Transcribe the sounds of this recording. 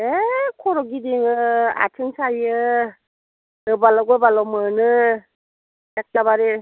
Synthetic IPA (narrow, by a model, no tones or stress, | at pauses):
ekʰɔɾɔɡidiŋɯa̰tʰɯŋsajɯ | ɯbalɔɡɔbalɔmɯnɯ | jak̚t͡ʃaβaɾe